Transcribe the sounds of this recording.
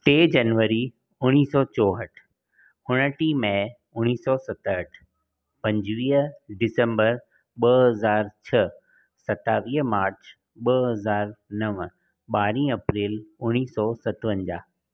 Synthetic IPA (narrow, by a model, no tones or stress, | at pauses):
t̪eːd͡ʑɐnʋəɾi | ʊñiːsɔːt͡ɕɔːɦəʈʰ | ʊɽ̃əʈimɛ̃ː | ʊɽ̃iːsɔːsɐt̪əɦəʈʰ | pɐ̃ɲd͡ʑʋiːɖɪsə̃mbəɾ | ɓɐɦɐzaːɾt͡ɕʰɐ | sɐt̪aːʋiːɦmaːɾt͡ɕʰ | ɓɐɦɐzaːɾnɐʋ | ɓaːɾĩːɐpɾiːlʊñiːsɔːsɐt̪ʋə̃ɲd͡ʑaː